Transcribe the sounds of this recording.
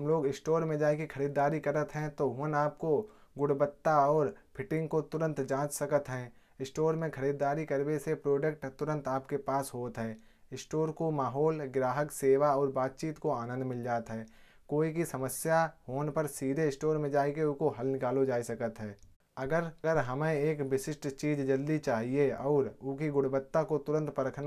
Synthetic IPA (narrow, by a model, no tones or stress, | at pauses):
ɐmloːɡɪsʈoːɾmẽd͡ʒaːekikʰɐɾiːd̪ːaːɾikɐɾət̪ɦɛ̃t̪oɦoːnaːp̚ko | ɡʊɽbət̪ːaɔːɾpʰɪʈɪ̃ŋɡkot̪ʊɾə̃nt̪d͡ʒãːt͡ʃsɐkət̪ɦɛ̃ː | ɪsʈoːɾmẽkʰɐɾiːd̪aːɾikəɾbesepɾoːɖəkʈt̪ʊɾə̃nt̪aːpkepaːsɦoːt̪ɦɛː | ɪsʈoːɾkomaːɦɔːlɡɾaːɦəkseːʋaɔːɾbaːt̪̚t͡ʃiːt̪koaːnə̃nd̪mɪld͡ʒaːt̪ɦɛː | koːikisɐməsjaɦoːnpəɾsiːɾeɪsʈoːɾmẽd͡ʒaːekeʊkoɦɐlnɪkaːlod͡ʒaːisɐkət̪ɦɛ̃ː | ɐɡəɾɡəɾɦɐmẽeːkʋɪʃɪsʈt͡ʃiːd͡ʒd͡ʒɐld̪it͡ʃaːɦieɔːɾʊkiɡʊɽbət̪ːakot̪ʊɾə̃nt̪pəɾəkʰna